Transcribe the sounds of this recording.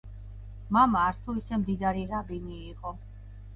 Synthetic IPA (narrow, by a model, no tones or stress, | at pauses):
mamaːɾst̪ʰuisɛmd̪id̪aɾiɾabiniːqʼɔ